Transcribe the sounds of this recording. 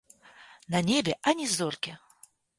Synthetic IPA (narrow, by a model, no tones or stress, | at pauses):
nɐnʲebʲɛʔɐnʲizɔrkʲi